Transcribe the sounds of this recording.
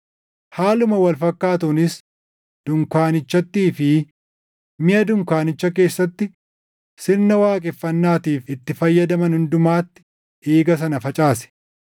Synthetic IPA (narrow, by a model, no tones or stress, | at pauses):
haːlʊmɐwɐlfɐkːaːt̪ʊnɪs | d̪̥ʊŋkaːnɪt͡ʃːɐt̪ːiːfɪ | mɪʔɐd̪ʊŋkaːnɪt͡ʃːɐk̬e̞ːsːɐt̪ːɪ | sɪɾnɐwaːkʼɪfːɐnːaːt̪iːfɪt̪ːɪfɐjːɐd̪ɐmɐnhʊnd̪ʊmaːt̪ːɪ̥ | ʔeːɡɐs̬ɐnɐfɐt͡ʃʼaːsɛ̥